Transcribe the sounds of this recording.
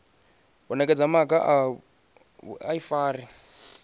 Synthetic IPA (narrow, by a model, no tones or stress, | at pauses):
bɔnɛkʼɛd͡zamakʼaʔ | aifaːri